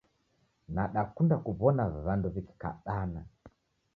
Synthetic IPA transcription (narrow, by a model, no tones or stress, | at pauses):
naɗakundakuβɔnaβanduβiki̥ka̰ɗana